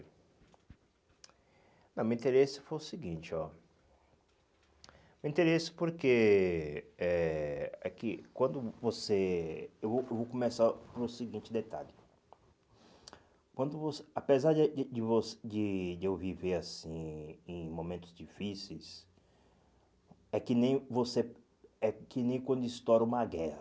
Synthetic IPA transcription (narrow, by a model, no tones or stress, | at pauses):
nɐ̃mẽĩnt̪eɾesɪ̥fojʊsiɡĩt͡ʃɪɔ | meĩt̪eɾesɪ̥poɾke | ɛakɪkwɐ̃nd̪ʊvoseewvowewvowkõmesaɾpɾʊsiɡĩnt͡ʃɪd̪et̪a̰ʎɪ | kwɐ̃nd̪ʊvoseapezaɾd͡ʒɪvosd͡ʒɪd͡ʒewviveɾasĩẽmõmẽnt̪ʊ̥zd͡ʒifisejs | ɛkɪnẽj̃vose | ɛkɪnẽj̃kwɐ̃nd̪ʊist̪ɔɾũmɐɡɛhɐ